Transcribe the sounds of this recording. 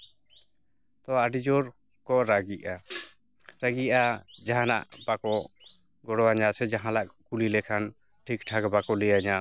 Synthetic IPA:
t̪ɔaɖid͡ʒɔɾ | kɔʔɾaɡiʔa | ɾaɡiad͡ʒaɦana̰ʔbakɔ | ɡɔɽɔwaɲasɛd͡ʒaɦãlaʔ̚kulilɛkʰan | ʈʰik̚ʈʰaɡbakɔlɛjaɲa

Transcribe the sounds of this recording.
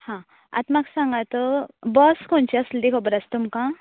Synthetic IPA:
hã | a̰t̪maksãŋɡat̪əbɔskʰont͡ɕiasld̪ikʰɔbəɾast̪umkã

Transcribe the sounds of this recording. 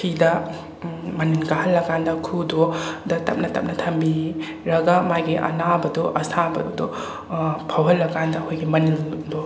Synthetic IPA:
tʰidɐ | mɐninɡahɐlːɐɡandɐkʰudodɐtɐp̚nɐtɐ̰p̚nɐtʰɐmbi | ɾɐɡɐmajɡiʔɐ̰nabɐduʔɐsʰabɐ̰dudu | pʰɐwɦɐlːɐkandɐhojɡimɐnildɔ

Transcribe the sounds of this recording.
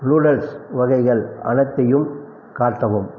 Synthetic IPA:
luːɽɐlsʋɐɣɐɪɣɐɭɐ̰nɐɪt̪ːɐjɯm | kaːʈːɐʋɯm

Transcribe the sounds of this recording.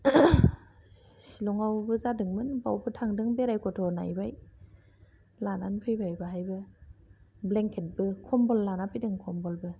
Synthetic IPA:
silɔŋawbɯzadɯŋmɯnbawbɯtʰaŋdɯŋbeɾajkʰɔtʰɔna̰jbaj | lananpʰɯjbajbɯɦajbɯ | bleŋkʰet̚bɯkʰɔmbɔlːanapʰɯjdɯŋkʰɔmbɔlbɯ

